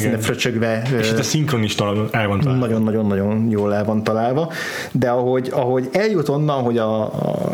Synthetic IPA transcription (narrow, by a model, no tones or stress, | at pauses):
nɛfrøt͡ʃøɡvɛeʃit̪ːɛsiŋkroniʃt̪ɒlɒlonɛlvɒnt̪nːɒɟo̞nːɒɟo̞nːɒɟo̞njoːlɛlvɒnt̪ɒlaːlvɒ | d̪ɛɒɦo̞ɟɒɦo̞ɟɛljut̪o̞nːɒnɦo̞ɟɒ̰